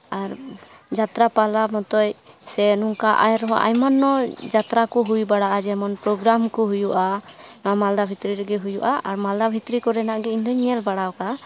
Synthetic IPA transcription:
aɾ | d͡ʒat̪ɾapalamɔt̪ɔjsɛnɔŋkaʔa̰jɾɔɦa̰ʔa̰jmanːɔd͡ʒat̪ɾakɔɦujbaɽaʔad͡ʒɛmanpɾɔɡɾamkɔɦujuʔanɔamald̪abʱit̪ɾiɾɛɡɛɦujṵʔaʔaɾmald̪abʱit̪ɾikɔɾɛnaʔɡɛind̪ɔɲɛlbaɽawka

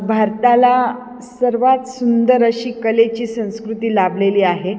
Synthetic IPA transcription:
bʱaɾt̪ala | səɾʋat̪sund̪əɾəɕiːkəlet͡ɕiːsə̃w̃skɾut̪iːlableliːaɦe

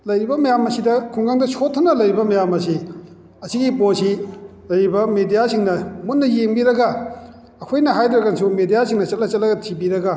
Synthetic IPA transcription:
lɐjɾibɐmɐjamɐsidɐkʰuŋɡaŋdɐsʰotʰːɐnɐlɐjɾibɐmɐjamɐsi | ɐsiɡiposilɐjɾibɐmedijasiŋnɐmunːɐjeŋbiɾɐɡɐ | ɐkʰojnɐɦajdiɾɐkansʰumedijasiŋnɐt͡ʃɐt̚lɐt͡ʃɐtlɐɡɐtʰibiɾɐɡɐ

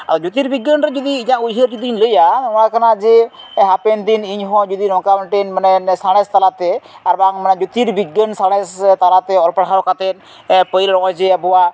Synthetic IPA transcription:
a̰t̪ɔd͡ʒut̪iɾbiɡənɾɛd͡ʒɔd̪iːɲãʔujɦəɾd͡ʒɔd̪iːɲləjaɔnakʰanad͡ʒɛɦapɛnd̪iniɲɦɔ̃d͡ʒud̪inɔ̃kamɛɳʈenmanɛnsaɽ̃ɛst̪alat̪ɛaɾbaŋmanɛd͡ʒut̪iɾbiɡənsaɽ̃ɛst̪alat̪ɛɔlpəɽɦaɾɔkat̪ɛn | ɛpəjlɾɔɔd͡ʒɛɛbɔwa

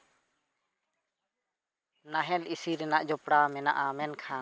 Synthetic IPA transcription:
naɦɛlʔisiɾɛnaʔd͡ʒɔpɽamɛnaʔamɛnkʰa

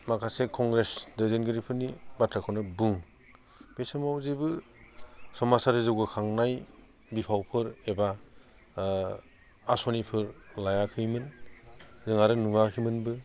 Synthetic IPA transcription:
makʰasekʰɔŋɡɾesdɯzɯnɡɯɾipʰɯnibatʰɾakʰɔnɯbɯŋ | b̥esamawzibɯ | sɔmasaɾɯzɯwɡɯkʰaŋnaj | bipʰawpʰɯɾeba | sɔnipʰɯɾlajakʰɯjmɯn | zɯŋaɾɯnuakʰimɯnbɯ

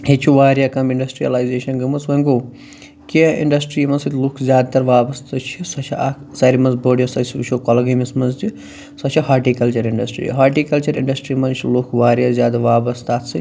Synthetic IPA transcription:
het͡ʃʰuʋaːɾjakɐmiɳɖɐsʈɾijɐ̰laːjzeːʃɐnɡɐmɐsʋɐŋɡo | keḭɳɖɐsʈɾiːmɐnsɐt̪ʲlukʰzʲjaːd̪̚t̪ɐɾʋaːbɐst̪ɐt͡ʃʰisɐt͡ʃʰiaːksɐɾimɐnzboːɽjosɐst͡ʃʰokɔlɐɡɐmismɐnzt͡ʃi | sɐt͡ʃʰiɦaːɾʈiːkɐlt͡ʃɐɾiɳɖɐsʈɾḭɦaːʈiːkɐlt͡ʃɐɾḭɳɖɐsʈɾiːmɐnt͡ʃʰilukʰʋaːɾjazʲjaːd̪ɐʋaːbɐst̪aːt̪sɨ

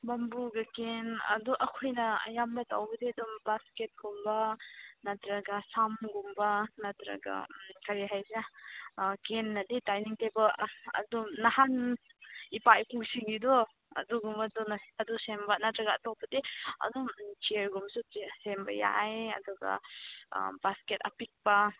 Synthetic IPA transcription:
bɐmbuɡɐkenɐ̰duʔɐkʰojnɐjambɐtawbɐdiɐdumbasket̚ɡ̥umbɐnɐtɾɐɡɐsamɡumbɐnɐtɾɐ̰ɡa̰kʰɐɾiɦajza | kenːɐditajniŋtebɐɐ̰dumnahan | ipajpuksiŋɡidɔ | ɐ̰duɡumbadɔnɐdusembanatɾaɡa̰ːtowpɐdiɐ̰dɔmt͡ʃieɾɡumsusembɐ̰ja̰jɐ̰duɡa̰ | basketɐ̰pik̚pɐ

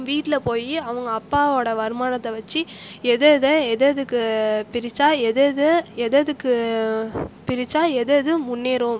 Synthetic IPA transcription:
ʋiːʈːɪlɐpoːjiɐʋɐŋɡɐːpːaːoːɽɐʋɐɾɯmaːnɐt̪ːɐʋɐt͡ʃːiɛðɐðɐɛðɐðɯkːɯpɪɾɪt͡ʃːaːɛðɐðɯɛðɐðɯkːɯ | pɪɾɪt͡ʃːaːɛðɐðɯmʊnːeːɾɯm

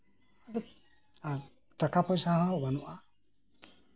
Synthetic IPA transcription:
adək | a | takapojsahãwanuʔa

